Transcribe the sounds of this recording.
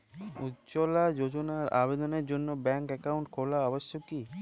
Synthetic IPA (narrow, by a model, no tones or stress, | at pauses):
utt͡ɕolad͡ʑod͡ʑonaɾa̰bed̪oneɾd͡ʑonːobɛŋkɛkawɳʈkʰolaɔboʃːoki